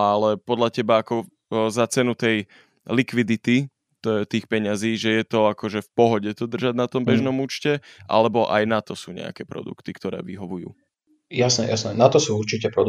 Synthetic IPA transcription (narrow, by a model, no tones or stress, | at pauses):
alɛpɔd̪ʎacɛbaːkɔ | zat͡sɛnut̪ɛj | likʋid̪it̪i | t̪iːxpɛɲaziːʒɛjɛt̪ɔakɔʒɛfpɔɦɔɟɛt̪ɔd̪r̩ʒaɟnat̪ɔmbɛʒnɔmuːt͡ʃcɛʔa̰lɛbɔʔa̰jnat̪ɔsuːɲɛ̰a̰kɛːpɾɔ̰d̪ṵkt̪ikt̪ɔɾɛ̰ːʋḭɦɔʋujṵː | jasnɛ̰jasnɛnat̪ɔsuːuɾt͡ʃicɛpɾɔd̪